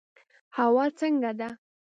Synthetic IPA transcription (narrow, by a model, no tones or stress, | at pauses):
hawɑt͡səŋɡad̪a